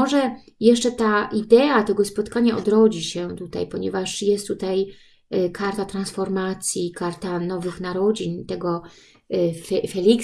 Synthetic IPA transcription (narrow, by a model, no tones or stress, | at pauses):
ɔʐɛjɛʂt͡ʂɛt̪aʔid̪ɛat̪ɛɡɔspɔt̪kaɲaʔɔ̰d̪ɾɔd͡ʑiɕɛt̪ut̪a̰jpɔɲɛ̰vaʂjɛst̪ːut̪aj | kaɾt̪at̪ɾansfɔɾmat̪sʲjikaɾt̪anɔvɘxnaɾɔd͡ʑiɲt̪ɛɡɔ | fɛfɛlʲik